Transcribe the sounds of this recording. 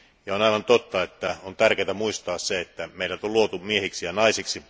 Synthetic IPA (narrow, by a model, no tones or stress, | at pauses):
jɑonɑiʋɑnt̪ot̪ːɑet̪ːæont̪ærkeːt̪æmuist̪ɑːsseet̪ːæmeilæt̪oluot̪umiehiksijɑnɑisiksi